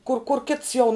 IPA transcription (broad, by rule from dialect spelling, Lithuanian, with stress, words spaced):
kʊr kʊr ˈkʲɪts jɛʊ